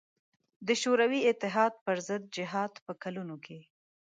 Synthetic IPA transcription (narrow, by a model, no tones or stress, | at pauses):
d̪əʃoɾawiɪt̪ɪɦɑd̪̚pəɾzəd̪̚d͡ʒɪɦɑd̪pəkalunokʰe